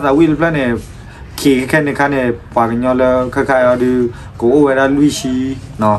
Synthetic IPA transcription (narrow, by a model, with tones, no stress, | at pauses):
a˦˨t̪a˨wi˦˨lə˦pʰla˦˨nɛ̃˨ | kʰe˨kʰa˦kʰɛ˦˨nɛ̃˨kʰa˦nɛ˨pa˨kə˨ɲɔ̃˧lə˧kʰa˦kʰa˦˨ɔ˧˨dɯ˧ | ko˨ʔo˦˨wɛ˨ɾa˦˨lwi˦˨ʃi˦nɔ˨˦